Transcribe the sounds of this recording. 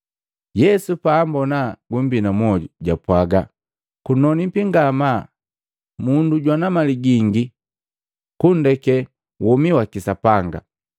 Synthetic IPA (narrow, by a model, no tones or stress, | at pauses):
jɛsupaːmbɔnaɡum̩binamwɔɟuɟapwaɡa | kunɔnipiŋɡama | munduɟwanamaliɡiŋɡi | kundɛkɛ | wʔɔmiwakisapaŋɡa̰